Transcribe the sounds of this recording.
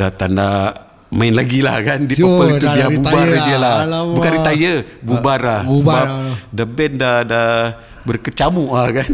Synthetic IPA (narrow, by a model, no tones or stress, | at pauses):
dat̪anda | maɪnlaɡila̰hkandipəkəlit̪ubiabubaɾdiəlabukaɾit̪ajə | bubarlahsəbadabɛndada | bərkət͡ʃamuʔlakan